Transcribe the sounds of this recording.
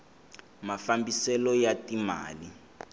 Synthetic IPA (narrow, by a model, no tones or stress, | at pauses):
mafambisɛlɔjatima̰ːli